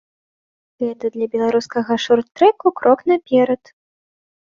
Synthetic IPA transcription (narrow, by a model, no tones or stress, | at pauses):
ɣɛt̪ɐd̪lʲɐbʲɛlˠaɾuskɐɣɐʂurt̪ːɾɛkukɾʔɔknapʲɛɾɐt̪